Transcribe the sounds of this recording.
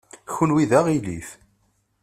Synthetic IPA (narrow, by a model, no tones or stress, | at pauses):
çunwiðæʁiliθ